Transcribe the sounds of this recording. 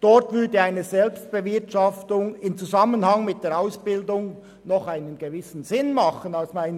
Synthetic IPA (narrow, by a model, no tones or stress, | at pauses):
d̥ɔrtvʏɐdəaɪnəzɛlpst̚b̥əvɪɐtʃɑftʊŋɪmt͡suzɑmənhɑŋmɪt̚d̥eːaʊsb̥ɪldʊŋ | nɔχaɪnənɡ̥əvɪsn̩zɪnmɑχənaʊsmaɪn